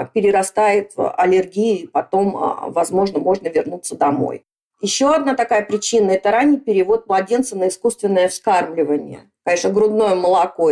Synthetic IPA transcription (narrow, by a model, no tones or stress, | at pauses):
pʲɪɾʲɪɾɐst̪ajɪt̪ɐlʲɪrɡʲijʊipɐt̪o̞m̰vɐzmo̞ʐnəmo̞ʐnəvʲɪrnut̪sːəd̪ɐmo̰j | jɪɕːo̞ɐd̪nat̪ɐkajəpɾʲɪt͡ɕinːəɛt̪əɾanʲːɪjpʲɪɾʲɪvo̞t̪̚mlˠɐdʲe̞nt̪sənəɪskust̪vʲɪnːəjəfskarmlʲɪvənʲɪ̰jə̰ | kɐnʲeʂnəɡɾʊd̪no̞jəməlˠɐko